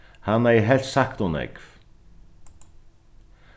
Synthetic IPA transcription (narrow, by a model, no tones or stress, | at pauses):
hanːɛjɦɛl̥t̪sahkt̪ɔnɛ̰kv